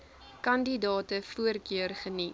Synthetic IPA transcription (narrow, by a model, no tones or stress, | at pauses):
kɐndidɑːtəfuərkøərχəni